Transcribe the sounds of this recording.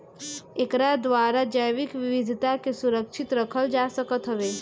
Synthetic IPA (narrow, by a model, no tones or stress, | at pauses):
ekɾad̪ʋaːɾad͡ʒəjʋɪkʋɪʋɪd̪ʱt̪akesuɾəkʃʰɪt̪ɾəkʰəld͡ʒaːsəkət̪ɦəʋe